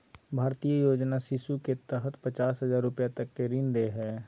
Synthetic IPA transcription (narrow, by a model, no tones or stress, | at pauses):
bʱaːɾt̪ijəjoːd͡ʒnasɪʃuket̪əɦət̪pət͡ʃaːsɦəzaːɾːʊpjat̪ɐkːeɾĩnd̪eɦɛː